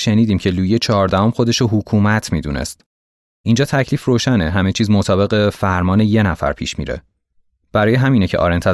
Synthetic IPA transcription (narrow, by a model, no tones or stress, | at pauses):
ʃe̞niːd̪iːmcʰe̞luːjet͡ʃʰɒɦːɾd̪æhɒmxo̞d̪e̞ʃoɦukʰuːmæt̪ʰmiːd̪ṵnḛst̪ | ʔind͡ʒɒːt̪ʰæcʰliːfroːʃæneɦæme̞t͡ʃʰiːzmot̪ʰɒːbe̞ɣefæɾmɒːneje̞næfæ̰ɾpʰḭːʃmḭːɾḛ | b̥æɾɒːjeɦæmiːnecʰeʔɒ̰ːɾent̪ʰæ